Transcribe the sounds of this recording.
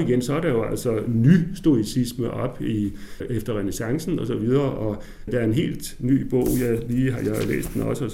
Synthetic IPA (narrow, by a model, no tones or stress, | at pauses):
iɡ̥ensɒ̽æɐɾɑ̈jo̝æl̰sɒnysd̥o̝isisməʔɒ̽b̥i | efd̥ɐʁɛnesɑ̈ŋsn̩ɒ̽sɒ̽ʋið̞ˠɐːʔɒ̽ | d̥ææɐe̝nɦe̝̰ːld̥ny̰ːb̥ɔ̰̽ʊ̰jæliːɦɑ̈jɑ̈lḛːsd̥enɒ̽səɒ